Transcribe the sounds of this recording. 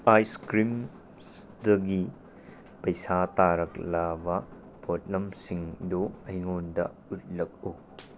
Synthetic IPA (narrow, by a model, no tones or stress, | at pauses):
ajskɾim | s | dɐɡi | pɐjsataɾɐklabɐ | pʰot̚lɐmsiŋdoɐjŋondɐ̰ | ut̚lɐk̚o